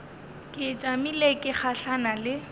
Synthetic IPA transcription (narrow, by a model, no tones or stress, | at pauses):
kʼɪt͡ʃʼamilekʼɪχaɬanalɪ